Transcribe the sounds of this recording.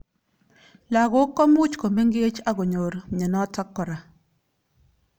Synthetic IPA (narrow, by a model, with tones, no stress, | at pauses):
la˨ɡo˦kːɔ˦mu˦t͡ʃko˨me˦ŋɡe˦t͡ʃa˦ɡɔ˨ɲo˨ɾɲe˨nɔ˦tɔ˦kːɔ˨ɾa˨